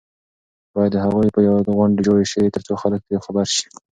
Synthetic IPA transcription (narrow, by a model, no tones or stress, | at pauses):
b̥ɑjad̪ːəɦaɣujpəjawaɣwaɳɖed͡ʒojeʃəwit̪əɾt͡soxalək̚t̪əjawxabaɾʃi̥